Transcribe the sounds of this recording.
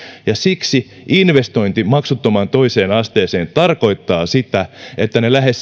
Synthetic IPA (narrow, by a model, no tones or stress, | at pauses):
jɑsiksi | inʋest̪o̞int̪imɑksut̪ːomɑnt̪oise̞ːnɑst̪eːseːnt̪ɑrko̞it̪ːɑːsit̪æet̪ːænelæhes